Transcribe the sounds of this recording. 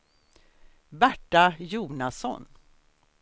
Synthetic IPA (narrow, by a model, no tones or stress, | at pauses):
bæʈːajuːnasɔ̰n